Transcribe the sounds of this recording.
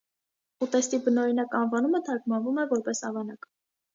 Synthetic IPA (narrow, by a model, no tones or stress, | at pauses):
ut̪ɛst̪ibənɔɾinɑkɑnvɑnumət̪ʰɑɾkmɑnvumɛvɔɾpɛsɑvɑnɑk